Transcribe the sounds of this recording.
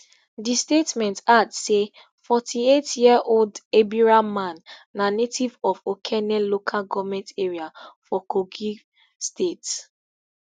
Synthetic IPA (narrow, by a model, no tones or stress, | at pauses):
distetmɛ̃ntadse | fɔtʰietjiɛʔoldebiɹamãnːanetivɔfokʰɛnɛlokʰalɡɔvmɛ̃nteɹiafɔkoɡi | stets